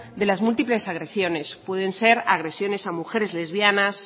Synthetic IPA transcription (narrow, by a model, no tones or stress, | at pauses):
ðe̞lazmult̪iple̞saɣɾe̞sjo̞ne̞spwe̞ðe̞nse̞ɾaɣ̞ɾe̞sjo̞ne̞samuxe̞ɾe̞zle̞zβjanas